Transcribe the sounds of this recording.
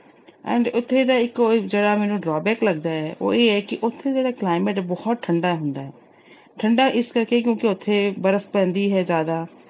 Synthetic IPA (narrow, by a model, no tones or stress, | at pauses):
ɛ̰̃ːɳɖʊt̪ʰːeːd̪aːɪkːd͡ʒeːɽaːmɛːnũːɖɾaːbɛːkləɡd̪aːɛːʔo̰ːeːɛːkɪʔʊt̪ʰːeːd͡ʒeːɽaːklaːɪmɛʈbɔːt̪̚ʈʰəɳɖaːɦʊnd̪aːɦɛː | ʈʰəɳɖaːʔɪskəɾkeːk̬jõːkɪʊt̪ʰːeːbəɾəfʰpɛ̃ːnd̪iːɦɛːzjaːd̪aː